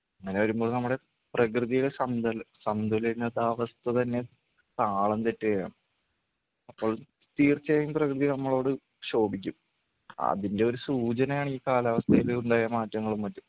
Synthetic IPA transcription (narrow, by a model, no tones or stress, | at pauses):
ɐŋːɐne̞ʋɐɾumbo̞ːɭnɐmːuɽe̞ | prɐkrɨðijuɽe̞sɐnd̪ɐlsɐnd̪ʱɐlinːɐðaʋɐst̪ʰɐt̪ɐnːe̞ | t̪aːɭɐnt̪e̞tːɐjɐja̰ːɳɨ | ɐpːo̞ːɭ | t̪iːrt͡ɕːɐɐjumprɐkrɨðinɐmːɐɭo̞ːɽɨ | ɕo̞ːbik̬ʲːum | ɐ̰ðinde̞o̞ɾusuːt͡ɕɐnɐjaːɳiːkaːlɐʋɐst̪ʰɐjiluɳɖaːjɐmaːtːɐŋːɐɭumːɐtːum